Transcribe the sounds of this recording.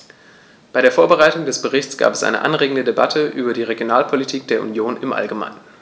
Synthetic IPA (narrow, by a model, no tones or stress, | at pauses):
b̥aɪɾeːɐfoːɐbəʁaɪtʊŋdɛsb̥əʁɪçt͡sɡ̥a̰ːpɛ̥sʔa̰ɪnə̰ʔa̰nʁeːɡŋ̩dədeba̰tʰəʔyːbɐdiːʁeɡjonaːlpʰolitʰiːk̚d̥eːɐṵnjoːnɪmʔa̰lɡəma̰ɪnən